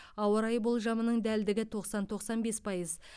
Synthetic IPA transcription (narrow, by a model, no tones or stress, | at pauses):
ɑwəɾɑjbʊlˠʒɑmənəɴd̪æld̪ɪɡʲɪt̪ʰo̞qsɑnt̪ʰo̞qsɑnbe̞spʰɑjəz